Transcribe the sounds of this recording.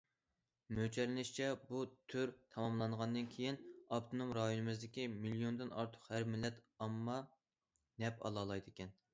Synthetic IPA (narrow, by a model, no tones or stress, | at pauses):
møt͡ʃʰɛɾlɪnɪʃt͡ʃʰɛbut̪ʰyɾt̪ʰɑmɑmlˠɑŋʁɑnd̪ɨnkʲʰejinɑpt̪ʰonomɾɑjonɨmɨzd̪ɪkʲimilijond̪ɨnɑ̰ɾt̪ʰʊ̥qhæɾmɪlːɛt̪ɑmːɑ | nɛpɑ̰lˠɑːlˠɑjd̪ɪkʲʰɛn